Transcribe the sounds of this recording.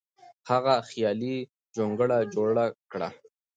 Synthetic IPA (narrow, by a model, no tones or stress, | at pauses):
haɣaxjɑli | d͡ʒoŋɡəɽad͡ʒoɽakɽa̰